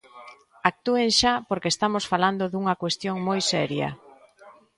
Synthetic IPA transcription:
ak̚t̪ueŋʃapoɾkest̪amosfaland̪oðuŋɐkwest̪joŋmojsɛɾjɐ̰

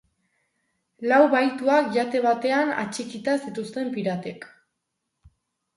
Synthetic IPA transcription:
lawβajt̪uakʝat̪e̞βat̪e̞ana̰t͡ʃikit̪asit̪ust̪e̞mpiɾat̪ek

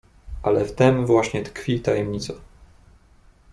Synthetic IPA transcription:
ʔalɛft̪ɛmvwaɕɲɛt̪kfʲit̪ajɛmɲit̪sa

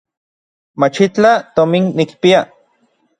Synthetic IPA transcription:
mat͡ʃit͡ɬat̪ominnikpia

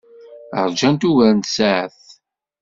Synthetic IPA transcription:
ə̰ɾˤd͡ʒænt̪uvæɾənt̪saʕəθ

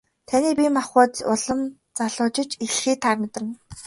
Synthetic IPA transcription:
t̪ʰaniːpʲiːmaχʊːt̪ʊɮə̆m | t͡saɮʊːt͡ɕɪ̆t͡ɕixɮxiːt̪ʰːaːkmet̪rɘ̆n

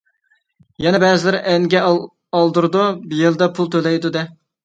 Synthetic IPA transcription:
jɛnɛbɛːzɪlɪɾɪʔɛŋɡʲɛ | ɑlˠd̪uɾd̪ubijelˠd̪ɑpʰulˠt̪ʰølɛjd̪ud̪ɛ

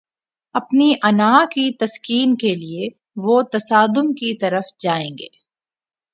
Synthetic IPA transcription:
ɐpniʔɐnaːkit̪ɐskiːnkelie | ʋot̪ɐsaːd̪ʊmkit̪ɐɾəfd͡ʒaːẽːŋɡḛː

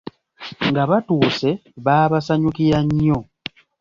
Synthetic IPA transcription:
ŋɡaβatuːse̞βaːβasaɲukiɾaɲːo̞

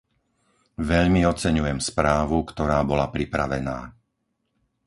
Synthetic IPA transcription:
ʋɛʎmiɔt͡sɛɲujɛmspɾaːʋukt̪ɔɾaːbɔlapɾipɾaʋɛna̰ː

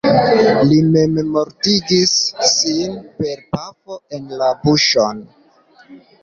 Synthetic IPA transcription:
lime̞memo̞ɾtiɡisːinpe̞ɾpafo̞e̞nlabuʃon

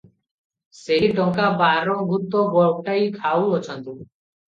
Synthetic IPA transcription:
seɦiɖɔ̃ŋkabaɾɔɡʱut̪ɔɡɔwʈaikʰawɔt͡ʃʰɔnt̪u

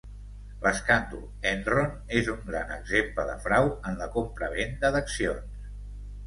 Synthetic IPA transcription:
ləskand̪ṵl | ɛnron | ezuŋɡɾanə̰ɡzempləðə̰fɾawənləkompɾəβ̞end̪əðəksions

